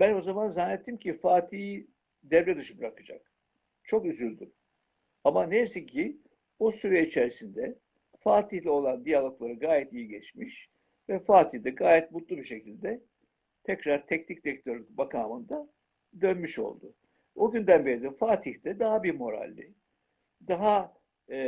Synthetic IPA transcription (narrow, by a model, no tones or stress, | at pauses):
bæno̞zamanzanːɛt̪ʰːimcʰifaːt̪ʰiː | d̪ɛvɾɛd̪ɯʃɯbɾakɯd͡ʒa̰k | t͡ʃʰo̞kyzylʲd̪y | amanejisiɲcʰi | osuɾjeit͡ʃʰeɾisind̪ɛ | faːt̪ʰihlʲɛo̞lˠand̪ijalˠo̞klˠaɾɯɡaːjɛt̪ijiɟɛt͡ʃmiʃ | vɛfaːt̪ʰiçd̪ɛɡaːjɛt̪̚mut̪lˠubiʃe̞cʰilʲd̪ɛ | t̪ʰɛcɾaɾt̪ʰɛcnʰic̚t̪ɛct̪ʰøɾʲybakʰaːmɯnd̪a | d̪ønmyʃo̞̰lˠd̪ʊ̰ | oɟynd̪ænbeɾid̪ifaːt̪ʰihd̪ɛd̪aɦabiɾmo̞ɾa̰lʲːi | d̪aɦa